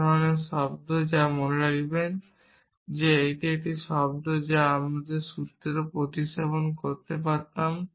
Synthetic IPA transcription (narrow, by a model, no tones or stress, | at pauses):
oneʃɔbd̪ʱod͡ʑamoneɾaɡiben | d͡ʑeejʈieʈiʃɔbd̪ʱod͡ʑaamad̪eɾʃut̪ɾeɾopɾot̪iʃaponkoɾt̪epaɾt̪am